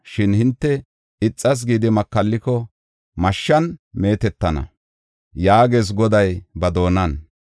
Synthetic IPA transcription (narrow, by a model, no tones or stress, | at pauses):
ʃɪnhɪnt̪ːɛ | ɪt͡sʼːɐs̬ɡiːd̪ɪmɐkːɐlːɪkɔ | mɐʃːɐnme̞ːt̪ɛt̪ːɐnɐ̰ | jaːɡeːs̬ɡɔd̪ɐjbɐd̪o̞ːnɐn